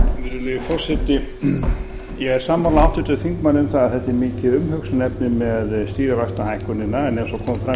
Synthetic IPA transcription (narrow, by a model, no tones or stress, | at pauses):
vɪɾɪlɪɪfɔrsɛt̪ɪ | jɛɣɛɾ̥saːmawlawht̪ʏt̪ʏðfiŋkmanːɪʏmθaðaðθɛht̪ɛɾmɪːcɪðʏmɦœksʏnɛpnɪmɛðst̪iːɾɪvajst̪ahajhkʏnːɪnːaɛnɛnsɔkʰɔːmfɾa